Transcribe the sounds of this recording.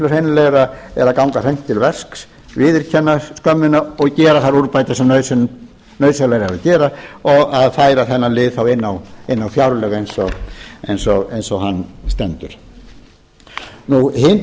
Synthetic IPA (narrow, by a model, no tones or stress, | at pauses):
lœshejnɪleɾaɛɾaðkawŋkaθejm̥t̪ʰːɪlvɛsks | vɪðɪɾ̥cʰɛnːaskœmːʏnaɔɣcɛːɾaθaɾuɾpajt̪asɛmnœɥs | nœɥsalajɾaɾaðcɛːɾaɔɣaðfaːjɾaθɛnːalɪːðθawɪnːawɪnːawfjawɾlɛːɣejnsɔejnsɔejnsɔhanːst̪ɛnt̪ʏɾ̥ | nuhɪn